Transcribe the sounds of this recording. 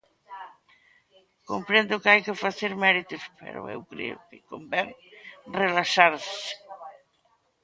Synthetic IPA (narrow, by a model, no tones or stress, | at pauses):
kompɾend̪ʊkɪajkɪfaθeɾmɛɾit̪ʊspḛɾo̰ḛwkɾḛʊ̰kɪkombɛŋrelaʃaɾsɪ̥